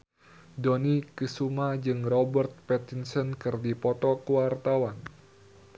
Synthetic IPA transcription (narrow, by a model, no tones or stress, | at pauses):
dɔnikɨsumad͡ʒɨŋrɔbərt̪̚pɛt̪insɔnkɨrdipɔt̪ɔkəwart̪awan